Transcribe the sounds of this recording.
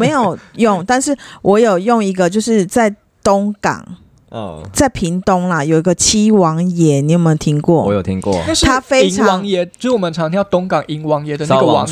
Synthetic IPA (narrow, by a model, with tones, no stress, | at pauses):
me˨˧˦ɪjo˨˩ʊjʊ˥˨ŋt̪a˥˧nʂɻ̩˥˩wʔɔ˧˥jo˨˩ʊjʊ˥˩ŋi˧˥ɡə˧t͡ɕjo˥˧ʊʂɻ̩˥˧t͡sa˥˩ɪ | t̪ʊ˥ŋkɑ̰˨˩ŋ˩ | t͡sa˥˩ɪpʰi˧˥ŋt̪ʊ˦ŋlɐ˨jo˨˩i˧˦ɡə˧t͡ɕʰi˥wɑ˧˥ŋjɛ˦˥ni˨˦˥jm˧˥˨t̪ʰi˥ŋkwɔ˥˩wɔ˦jo˨˩t̪ʰi˦ŋkkwɔ̰˥˨˥t̪ʰa˦˥fe˦ɪ˦ɑwɑ˧ŋ˦ŋjɛ˧˦˧wɔ˨˩mə˨nʈ͡ʂʰɑ˧˦ŋʰi˧˦jɑ˥˧˩t̪ʊ˥ŋkɑ˨˩ŋi˧˥ŋwɑ˧˦ŋjɛ˧˥d̪ə˨na˨ɡwɑ˨˦ŋ